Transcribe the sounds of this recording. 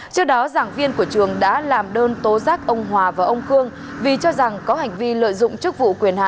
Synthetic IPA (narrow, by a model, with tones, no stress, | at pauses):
t͡ɕɔ˧ɗɔ˨˦zaː˧˩ŋvi˧ənku˧˩ət͡ɕɨ˨˩əŋɗa̰ː˧˥laː˨˩mɗəː˧nt̪o˨˦zaː˦˥k̚ʔə˧wŋ͡mɦwaː˨˩vaː˨˩ʔə˧wŋ͡mxɨ˧əŋ | vi˨˩t͡ɕɔ˧za˨˩ŋkɔ˨˦ha˨˩jŋ̟vi˧lə̰ː˧˨jzʊ̰˧˨ŋ͡mt͡ɕɨ˦˥k̚vṵ˧˨kwi˨˩ənha̰ː˧˨